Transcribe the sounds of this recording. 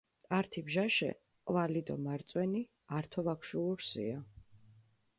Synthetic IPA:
aɾt̪ʰibʒaʃɛ̰ | qʼvalid̪ɔ̰maɾt̪sʼwɛni | aɾt̪ʰɔvakʰʃuuɾsḭa

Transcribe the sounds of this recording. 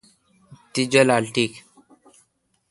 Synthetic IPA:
t̪id͡ʒəlalʈik

